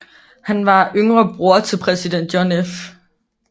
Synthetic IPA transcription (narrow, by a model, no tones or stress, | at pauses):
hænʋɑ̈ʔøŋʁɐb̥ʁuɐt͡sʰe̝lpʰʁɛsid̥en̰d̥jonef